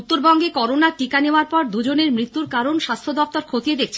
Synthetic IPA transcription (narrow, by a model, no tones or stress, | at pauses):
ut̪ːoɾbɔŋɡekɔɾonaʈikaneoaɾpɔɾd̪ud͡ʑoneɾmɾit̪ːuɾkaɾonʃast̪ʰod̪ɔft̪oɾkʰot̪ied̪ek̚ʰt͡ɕʰ